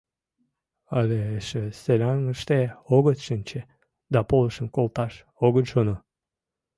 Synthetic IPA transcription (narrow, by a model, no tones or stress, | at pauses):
alʲeʃəselʲanəʃt̪eoɣət̪ʃənʲt͡ɕe | d̪apoləʃə̆nkolˠt̪ɑʃ | oɡət̪ʒono